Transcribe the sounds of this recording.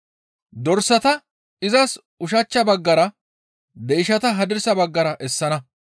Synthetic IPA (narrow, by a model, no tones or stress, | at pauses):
d̪ɔɾsɐt̪ɐ | ɪzɐs | ʊʃ̬ɐt͡ʃːɐbɐɡːɐɾɐ | d̪ejʃɐt̪ɐɦɐd̪ɪɾsɐbɐɡːɐɾɐʔɛsːɐnɐ